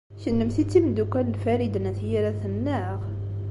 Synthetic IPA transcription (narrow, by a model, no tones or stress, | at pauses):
çənːəmθit͡sːimd̪ukæləlfæɾid̪ənæθjiɾæθənːæʁ